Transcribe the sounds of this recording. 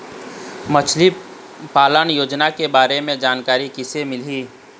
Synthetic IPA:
mət͡ʃʰli | paːlənjoːd͡ʒnakebaːɾemẽd͡ʒaːnkaːɾikɪsemɪliː

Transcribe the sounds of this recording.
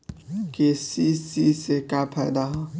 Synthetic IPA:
kesisisekapʰad̪aɦa

